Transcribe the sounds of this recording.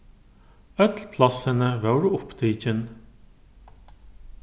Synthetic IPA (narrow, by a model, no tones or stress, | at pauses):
œt̪lpʰlɑsənəʋœwɾʊpd̪ʰiːt͡ʃən